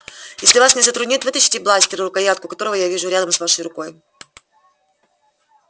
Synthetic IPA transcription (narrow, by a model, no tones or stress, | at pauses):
jesʲlʲɪvasnʲɪzət̪ɾʊdʲnʲit̪vɨt̪əɕɪ̥tʲɪblˠasʲtʲɪɾɨɾʊkɐjat̪̚kʊkɐt̪o̞ɾəvəjavʲiʐʊɾʲad̪əmsvaʂəjɾʊko̞j